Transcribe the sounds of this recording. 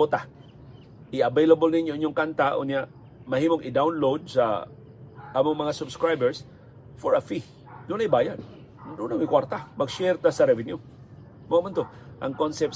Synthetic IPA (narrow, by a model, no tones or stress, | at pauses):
ot̪a | ʔɪɐbejlɐbolnɪɲjoʔɪɲoŋkant̪aʔʊ̰njaʔ | mɐhiːmoŋʔɪd̪awnlowd̪̚sɐ̰ | ʔɐmʊŋmɐŋasʊbskɹajbɛɹs | foɹɐfi | d̪ʊnɐjbaːjan | d̪ʊnamɪkwaɾt̪amɐɡʃɛɾt̪asɐɾɛvɪnju | mɐamant̪o | ʔɐ̰ŋkonsɛp̚